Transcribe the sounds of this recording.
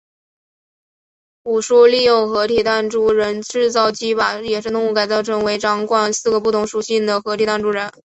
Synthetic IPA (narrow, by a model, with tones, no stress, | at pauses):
u˨˩ʂu˥li˥˧jʊ˥˧ŋxɤ˧˥t̪ʰi˨˩t̪a˥˧nʈ͡ʂu˥˩ɻə˧˥nʈ͡ʂɻ̩˥˧t͡sɑ˥˩ʊt͡ɕi˥ba˩jɛ˨˩ʂɻ̩˥˧t̪ʊ˥˧ŋu˥˩ka˨˩ɪt͡sɑ˥˩ʊʈ͡ʂʰə˥ŋwe˧˥ɪʈ͡ʂɑ˧˥ŋkwa˥˩nsɹ̩˥˩ɡə˩pu˥˩t̪ʰʊ˧˥ŋʂu˨˩ɕi˥˩nd̪ə˩xɤ˧˥t̪ʰi˨˩t̪a˥˩˧nʈ͡ʂu˥˩ɻə˧˥n